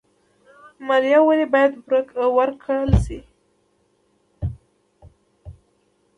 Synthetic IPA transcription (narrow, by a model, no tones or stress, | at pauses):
maɾjawalebɑjad̪bɾəkwaɾkʰaɽəlsi